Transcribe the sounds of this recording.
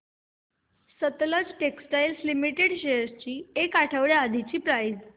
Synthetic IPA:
sət̪ləd͡zʈeksʈajlslimiʈeɽɕejəɾt͡ɕiːekaʈʰəʋɭjead̪ʱit͡ɕiːpɾajd͡z

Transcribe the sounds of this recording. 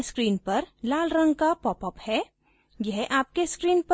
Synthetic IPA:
skɾiːnpɐɾlaːlɾə̃ŋɡkapɔːpɔphɛː | jɛɦʔaːp̚keskɾiːnp

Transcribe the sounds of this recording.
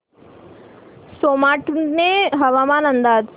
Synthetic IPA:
soːmaːʈneɦɐʋaːmaːnɐ̃nd̪aːd̪

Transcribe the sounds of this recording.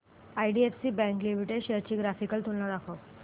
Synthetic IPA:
ajɖiefsiːbɛ̃ŋklimiʈeɖɕeɾt͡ɕiːɡɾafikəlt̪unlad̪akʰo

